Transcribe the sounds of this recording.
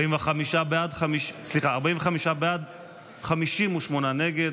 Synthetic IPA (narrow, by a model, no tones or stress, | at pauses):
imveχamiʃabeadχamiʃsliχaːʁbaimveχamiʃabead̪ | χamiʃimuʃmonane̞ɡed